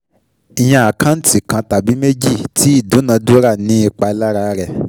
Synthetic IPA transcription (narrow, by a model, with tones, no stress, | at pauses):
i˨j̃ã˧a˨kã˦n̩˦ti˦˨kã˧ta˨bi˨˦me˦d͡ʒi˦˨ti˨˦i˦˨dũ˨˦nã˧du˦ɾa˦˨nĩ˦i˧k͡pa˧la˦ɾa˧ɾɛ˦˨